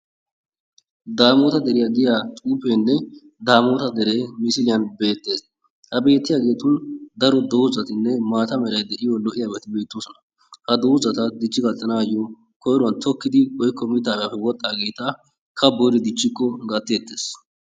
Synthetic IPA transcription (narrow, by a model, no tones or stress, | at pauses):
d̪aːmoːt̪ɐd̪ɛɾɪjaɡ̪ɪjaːt̪ʼuːpeːnːɛ | d̪aːmoːt̪ɐd̪ɛɾeːmɪsɪlɪjɐnbe̞ːt̪ːe̞ːs | hɐbe̞ːt̪ːɪjaːɡe̞ːt̪ʊnd̪ɐɾɔd̪oːzɐt̪ɪnːɛmaːt̪ɐmɛɾɐjd̪ɛʔɪjɔlɔʔɪjaːbɛt̪ɪbe̞ːt̪ːosɔnɐ | hɐd̪oːzɐt̪ɐd̪ɪt͡ʃːɪɡɐt̪ːɐnaːjɔ | kɔjɾʊɐnt̪ʰɔkːɪd̪ɪwɔjkːɔmɪt̪ːaːɡapːɛwɔt̪ʼːaːɡe̞ːt̪ɐ | kʰɐbɔɾɪd̪ɪt͡ʃːɪkːɔɡɐt̪ːeːt̪ːe̞ːs